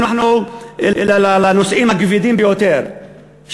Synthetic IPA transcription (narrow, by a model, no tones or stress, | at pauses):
nuħnu | lalalanɔsʔimaɡvid̪iːmbjɔt̪ɛɾ | ʃ